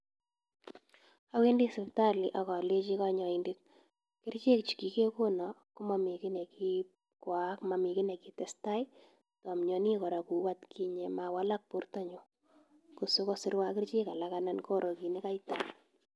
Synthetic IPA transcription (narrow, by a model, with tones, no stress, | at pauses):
a˦we˦ndi˦sɪ˨pta˦li˨ʔa˨kɔ˨le˦t͡ʃi˦kɔ˦ɲɔ˨indɪ˦t̚ | kɪ˦rt͡ʃe˦k̚t͡ʃi̥˨ki˨ke˦ko˦nɔ˨kʊ˦ma˨mi˨kɪ˦ne˨ki˦ | ka˦kma˨mi˨kɪ˦nɛ˨kɪ˨tɛ˨sta˦j | tɔ˨mɲɔ˨ni˦kɔ˨ɾa˨ku˨wa˦tkʰi˦ɲe˨ma˨wa˦la˦k̚pu˦ɾta˦ɲʊ˦ | ku˨sʊ˦ko˦sɪ˦ɾwa˦kɪ˦rt͡ʃe˦ka˨laka˦na˦nko˦ɾʔo˨ki˨ni˦ka˦jta